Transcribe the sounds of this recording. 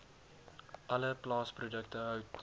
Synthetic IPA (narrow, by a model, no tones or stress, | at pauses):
ʔɐləplɑːsprudək̚təɦœwt